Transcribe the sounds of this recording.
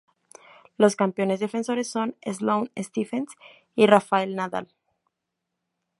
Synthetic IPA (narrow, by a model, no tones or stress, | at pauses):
lo̞skampjo̞ne̞zðe̞fe̞nso̞ɾe̞sːo̞nezlownest̪ifens | irafae̞lnaða̰l